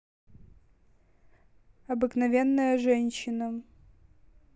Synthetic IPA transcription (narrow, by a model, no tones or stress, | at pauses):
ɐbɨknɐvʲenːəjəʐɛnʲɕːɪnə